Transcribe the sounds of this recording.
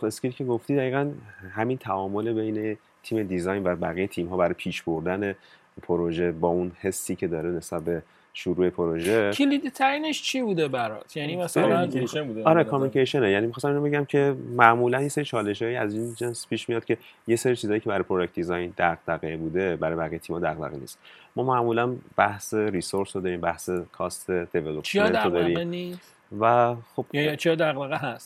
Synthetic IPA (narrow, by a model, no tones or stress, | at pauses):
feskʲilicʰeɡoft̪id̪æɣiːɣænhæmint̪ʰæʔɒːmo̞lebe̞jne̞ | t̪ʰiːme̞d̪izɒjnvæbæɣijet̪ʰiːmɦɒːbæɾɒːjpʰiːʃboɾd̪æne̞ | pʰoɾo̞ʒe̞bɒːunhe̞sːiːcʰe̞d̪ɒːɾene̞sbæt̪̚be̞ | ʃuɾuːe̞pʰoɾo̞ʒekʰelid̪it̪ʰæɾineʃt͡ʃʰibuːd̪ebæɾɒ̰t̪ʰjænims | ud̪ɒɾekʰomunikeʃonejænimixɒsæminobe̞ɟæmcʰe̞mæʔmuːlænjese̞ɾit͡ʃʰɒːle̞ʃɒːjiæzind͡ʒenspʰiːʃmijɒːd̪̥̚cʰe̞je̞seɾiːt͡ʃʰiːzɒːjiːcʰeæɾɒjpʰɾod͡ʒek̚t̪̚d̪izɒjnd̪æɣd̪æɣebuːd̪e̞bæɾɒːjbæɣijet̪ʰiːmɒːd̪æ̰ɣd̪æ̰ɣenḭst̪mɒːmæʔmuːlænb̥æhse̞ɾisoɾsod̪ɒːɾiːmbæhse̞kʰɒːst̪ʰe̞d̪̥e̞velopt͡ʃʃied̪od̪ɒɾiːmni | væxo̞b̥t͡ʃʰijɒd̪æɣd̪æɣeɦæst̪